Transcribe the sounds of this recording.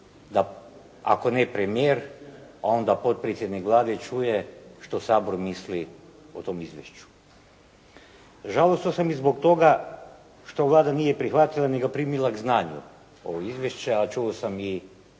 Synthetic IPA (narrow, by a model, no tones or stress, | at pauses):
d̪a | a̰ko̞nepɾemijeːɾao̞nd̪apo̞t̪̚pɾet̪sʲjed̪nikʋlˠaːd̪et͡ʃujeʃt̪o̞saːboɾmisli | ot̪o̞mizʋjḛʃt͡ʃu̥ | ʒalˠost̪osamizbo̞kt̪o̞ɡa | ʃt̪o̞ʋlˠaːd̪anijepɾixʋat̪ilˠaneɡapɾimilˠaɡznaːɲṵ | o̞̰ʋoizʋʲjeʃt͡ʃeat͡ʃuosami